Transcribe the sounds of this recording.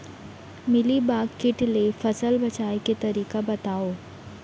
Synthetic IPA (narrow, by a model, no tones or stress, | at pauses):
mɪlibaːɡkɪʈlefɐsəlbɐt͡ʃaːeket̪ɐɾiːkabɐt̪aːoː